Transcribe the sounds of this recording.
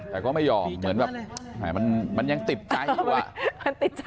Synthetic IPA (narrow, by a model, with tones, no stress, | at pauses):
t̪ɛː˨˩kɔː˥˩ma˥˩jːɔː˧˩mːɯ˨˩˦ənbɛː˨˩naː˨˩ma˧nma˧nja˧ŋt̪i˨˩p̪̚t͡ɕa˧ju˧˩˧a̰˨˩ma˧˩nt̪i˨˩t̪̚